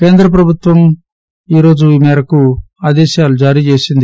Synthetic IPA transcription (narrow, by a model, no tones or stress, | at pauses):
ke̞ːnd̪ɾɐp̬ɾɐbʱut̪ʋɐm | iːɾo̞ːd͡ʒumɛːɾɐkuaːd̪ɛːʃaːlud͡ʒaːɾiːt͡ʃe̞ːsind̪i